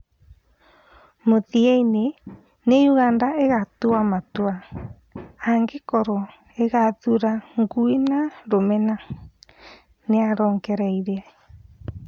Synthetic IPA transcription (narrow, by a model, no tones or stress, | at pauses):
motiejne | nejuɣandaeɣat̪uamat̪ua | aŋɡekɔɾo | eɣatuɾaŋɡuinaɾomena | neaɾoŋkeɾajɾea